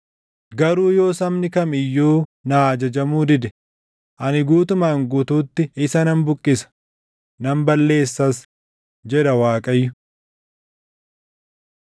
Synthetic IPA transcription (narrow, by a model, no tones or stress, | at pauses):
ɡɐɾuːjo̞ːsɐmnɪkɐmɪjːoːnaːd͡ʒɐd͡ʒɐmuːd̪ɪd̪ɛ | ʔɐnɪɡuːt̪ʊmaːŋɡʊt̪uːt̪ːɪɪsɐnɐmbʊkʼːɪsɐ̥ | nɐmbɐlːe̞ːsːɐs | d͡ʒɛᶑ̪ɐwaːkʼɐjːʊ